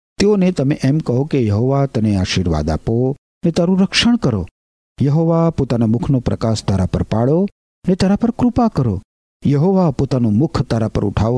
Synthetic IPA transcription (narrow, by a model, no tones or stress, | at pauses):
t̪eonet̪əmeʔɛmkəɦokejɐɦoʋat̪əneaːʃiɾʋa̰d̪a̰po | net̪aɾũɾəkʃəɽ̃kəɾo̰ | jɐɦoʋapot̪anamʊkʰnopɾəkaʃd̪ʱaɾapə̰ɾpaɭo | net̪aɾapəɾkɾʊpakəɾo̰ | jɐɦoʋapot̪anomʊkʰt̪aɾapə̰ɾʊ̰ʈʰaʋo